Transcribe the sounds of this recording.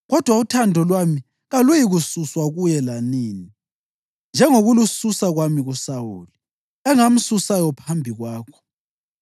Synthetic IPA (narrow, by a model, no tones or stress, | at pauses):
ɣɔd̥ʱwautʰandʱɔlwami | ɣalujiɣususwaɣujɛlaniːni | nd͡ʒʱɛŋoɣulususaɣwamiɣusawṵːli | ɛŋam̩susajɔpʰambʱiɣwaːkʰɔ̥